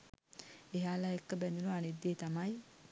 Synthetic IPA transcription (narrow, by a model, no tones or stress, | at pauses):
eɦaːlaekːəbɛnd̪unuanid̪ːeːt̪amaj